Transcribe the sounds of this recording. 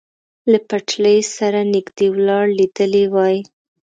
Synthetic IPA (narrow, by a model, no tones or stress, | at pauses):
lapaʈləjsaɾanɪɡd̪ewlɑɽlid̪əlewɑj